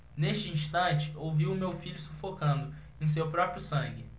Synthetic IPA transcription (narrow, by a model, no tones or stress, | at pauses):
neʃt͡ʃɪĩʃt̪ɐ̃nt͡ʃɪ̥owviwʊmewfiʎʊsufokɐ̃nd̪ʊ | ẽj̃s̬ewpɾɔpɾjʊsɐ̃ŋɡɪ